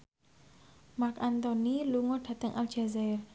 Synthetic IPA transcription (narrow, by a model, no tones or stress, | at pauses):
makant̪ɔniluŋɔɖ̥a̤t̪əŋʔald͡ʒazar